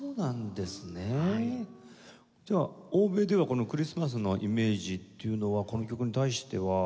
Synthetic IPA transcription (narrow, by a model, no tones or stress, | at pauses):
oːnãnd̪e̞sɨne | d͡ʑaːoːbe̞ːd̪e̞β̞ako̞no̞kɯ̟ɾʲisɨmas̬ɨno̞ʔime̞ːʑit̪ːe̞jɯ̟no̞βako̞no̞kʲo̞kɯ̟ɲ̟it̪aiɕi̥t̪e̞βa